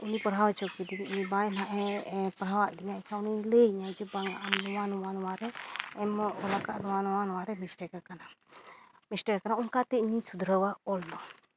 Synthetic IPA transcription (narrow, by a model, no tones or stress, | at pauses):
unipəɾɦawat͡ʃɔkid̪iɲibajnaʔɛpəɾɦawaʔd̪iɲaʔkʰãunileɲad͡ʒibaŋɡaʔamnuwanuwanwaɾɛɛmɔlakaʔdɔwanwanwaɾɛmisʈɛkakana | misʈɛkakanauŋkat̪ɛiɲisud̪ɾəwaɔlnɔ